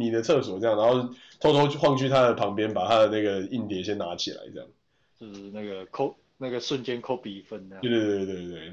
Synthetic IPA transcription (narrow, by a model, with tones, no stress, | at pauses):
i˨˥d̪ə˨t̪ʰɤ˥˧˩swɔ˨˩t͡sɤ˥˧jŋna˧˦ŋxo˥˧˩ | t̪ʰo˥t̪ʰo˥ʊ˥xwɑ˥˧ŋt͡ɕʰy˥˨˧t̪ʰa˦d̪ə˨pʰɑ˨˧˥ŋpjɛ˦˥npa˨˩t̪ʰa˦˥d̪ə˨na˥˩ɡə˩i˥˩nt̪jɛ˨˦nɕjɛ˦nna˧˥t͡ɕʰḭ˨la̰˧˦ɪʈ͡ʂə˥jɑ̰˥˩ŋ | t͡ɕjo˥˧ʊʂ̩˧na˥˩ɡə˩kʰo˥ʊ | na˥˩ɡə˩ʂə˥˨nt͡ɕjɛ˦nkʰo˥pi˨˩fə˦n˧˥˧we˥˧˩t̪we˥˧t̪we˥˩ɪt̪we˥˩ɪ